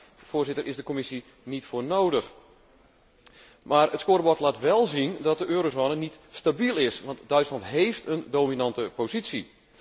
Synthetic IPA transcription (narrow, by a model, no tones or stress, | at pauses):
fʊːrzɪtəɾʔɪzdəkomɪsi | nitfoːrnowdəx | maːrətskoːrəbɔtlaːtʋɛlˠzindɔt̚dəʔøːɾozoːnənitstabilˠɪsʋɑntdœɥtslɑntɦejftəndoːminɑntəpozitsi